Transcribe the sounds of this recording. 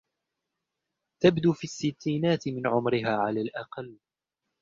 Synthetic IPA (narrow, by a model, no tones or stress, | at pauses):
t̪abd̪uːfisːɪt̪ːiːnaːt̪ɪmɪnʕʊmɾɪɦaːʕalaːlʔɑqɑlː